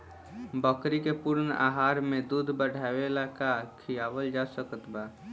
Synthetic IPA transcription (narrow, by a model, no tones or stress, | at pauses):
bəkɾikepʊɾna̰ɦaːɾmẽd̪ud̪ʱbəɽ̤awelakakʰijabəld͡ʒasəkət̪ba